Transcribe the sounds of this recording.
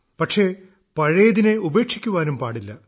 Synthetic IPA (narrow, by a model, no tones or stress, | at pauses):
pɐʈʂe̞ | pɐɻɐjɐðineube̞ːkʂikʲːuʋaːnumpaːɽilːɐ